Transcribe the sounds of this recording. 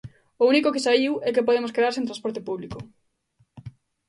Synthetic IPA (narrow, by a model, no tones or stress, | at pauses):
ʊunikokɪsaiwɛkepoðemoskeðaɾsẽnt̪ɾãspoɾt̪epuβliko